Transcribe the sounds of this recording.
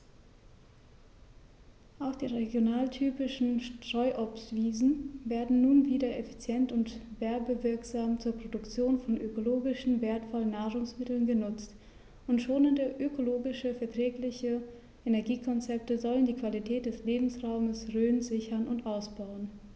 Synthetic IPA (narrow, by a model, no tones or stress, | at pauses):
ʔaʊxd̥iːʁeɡjonaːltʰyːpɪʃn̩ʃtʁ̥ɔʏʔɔpsv̥iːzn̩veːɐdn̩nuːnviːdɐefi̥t͡sjɛntʊntv̥ɛɐbəvɪɐkz̥aːmt͡suːɐpʁ̥odʊkt͡sjoːnfɔnʔøkoloːɡɪʃn̩veːɐtfɔlənːaːʁʊŋsmɪtl̩nɡənʊt͡st | ʔʊntʃoːnɪndəʔøkʰoloːɡɪʃəfɛɐtʁ̥ɛːklɪçə | ʔenɛɐɡiːkʰɔnt͡sɛp̚təzɔləndiːkv̥alitʰɛːt̚d̥ɛsleːbm̩sʁaʊməsʁøːnzɪçɐnʊntʔaʊsb̥aʊən